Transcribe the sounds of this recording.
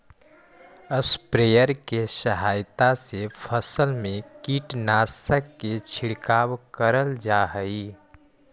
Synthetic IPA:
əspɾejəɾkesəɦajt̪asepʰəsəlmẽkiʈnasəkːet͡ʃʰiɽkawkəɾəld͡ʒaɦəi

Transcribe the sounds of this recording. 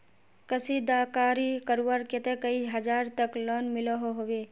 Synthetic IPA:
kɐsid̪aːkaːɾikəɾʋəɾket̪ekɐiɦɐd͡ʒaːɾt̪ɐklɔːnmɪloɦoɦoʋe

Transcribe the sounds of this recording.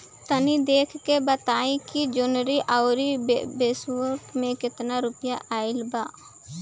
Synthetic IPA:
t̪ənid̪eːkʰkebət̪aːẽkid͡ʒʊnɾiʔaʊɾibeːswoɾʈmẽkɪt̪naɾʊpjaʔaːɪlbaː

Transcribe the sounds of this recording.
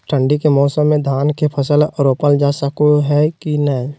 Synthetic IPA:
ʈʰə̃ɳɖikemɔːsəmːẽd̪ʱaːnkepʰəsəlɾoːpəld͡ʒaːsəkoɦɛkinəĩ

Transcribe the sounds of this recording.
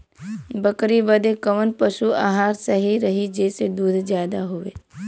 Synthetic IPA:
bəkɾibəd̪ekəʋənpəʃua̰ːɦaːɾsəɦiɾɐɦid͡ʒeːsed̪uːd̪ʱzjaːd̪aɦoʋḛː

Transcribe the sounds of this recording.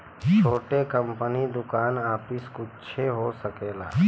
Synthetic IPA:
t͡ʃʰoːʈekə̃mpənid̪ʊkaːnaːpɪskʊtːʃʰeɦosəkeːla̰ː

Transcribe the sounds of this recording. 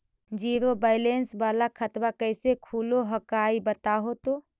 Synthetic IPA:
d͡ʒiːɾobaɪlensbaːlakʰət̪bakəɪsekʰuːloɦəkaibət̪aɦot̪oː

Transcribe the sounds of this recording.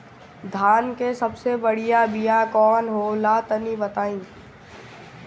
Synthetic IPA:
d̪ʱaːnkesɐbsebɐɽ̤ijabijakɔːnɦoːlaːt̪ənibɐt̪aːĩː

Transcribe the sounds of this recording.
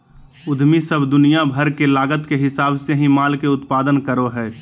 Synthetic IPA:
ʊd̪ʱmisəbd̪ʊnijabʱəɾkelaːɡət̪keɦɪsaːbseɦĩmaːlkeʊt̪paːd̪ənkəɾoɦɛː

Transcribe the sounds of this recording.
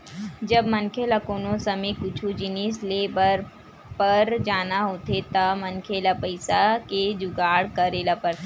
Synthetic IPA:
d͡ʒɐbmɐ̃nkʰelakoːnõsɐmẽkʊt͡ʃʰud͡ʒɪnisleːbəɾ | pɐɾd͡ʒaːnaɦoːt̪et̪ɐmɐnkʰelapɐɪsaked͡ʒʊɡaːɽkɐɾeːlapəɾ

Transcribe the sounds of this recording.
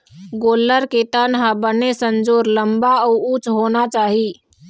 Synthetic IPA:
ɡoːləɾket̪ənɦabənesənd͡ʒoːɾləmbaɔut͡ʃɦoːnat͡ʃaːɦi

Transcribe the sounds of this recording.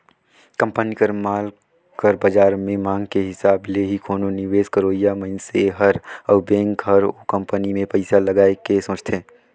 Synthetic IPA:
kə̃mpənikəɾmaːl | kəɾbad͡ʒaːɾmẽmãːŋɡkeɦɪsaːbleɦikʰoːnonɪʋeːskəɾoːijaməɪnseɦəɾəːbɛ̃ːŋkɦəɾokə̃mpənimẽpəɪsaləɡaːekesõːt͡ʃt̪ʰeː

